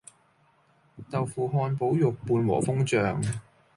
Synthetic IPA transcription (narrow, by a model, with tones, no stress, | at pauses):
t̪ɐ˨wfuː˨˩ɦɔː˧npo˨˥wjʊ˨k̚puː˧nwɔ̰ː˨˩fʊ˥ŋt͡ʃœː˨ŋ